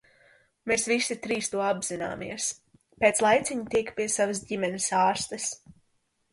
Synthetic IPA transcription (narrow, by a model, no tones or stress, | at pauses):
meːsvisit̪ɾiːst̪uɔabz̥ina̰ːmḭɛs | peːt̪slˠajt̪sʲiɲut̪ikpiɛsavɐs̬ɟimɛnɪsaːɾst̪ɐs